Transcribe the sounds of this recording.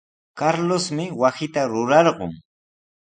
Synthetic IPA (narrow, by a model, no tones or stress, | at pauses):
kaɾlosmɪwasɪt̪aɾʊɾɑɾɢʊ̰ŋ